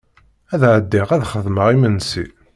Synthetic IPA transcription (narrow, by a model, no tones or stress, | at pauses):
æðʕəd̪ːiʁæðχəðˤməʁimənːsḭ